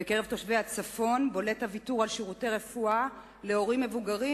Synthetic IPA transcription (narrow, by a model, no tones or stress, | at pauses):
ekeʁevto̞ʃvehat͡safo̞nbo̞le̞thavituʁalʃiʁute̞jʁe̞fua | le̞o̞ʁimːe̞vuɡaʁi